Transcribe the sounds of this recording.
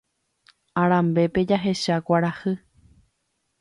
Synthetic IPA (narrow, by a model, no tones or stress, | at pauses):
aɾ̃ãmbe̞pe̞d͡ʒaɦe̞ʃakʷaɾahɨ